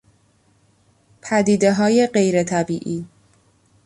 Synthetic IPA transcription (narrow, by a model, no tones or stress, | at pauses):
pʰæd̪iːd̪e̞ɦɒːje̞ɢe̞jɾet̪ʰæbiːʔiː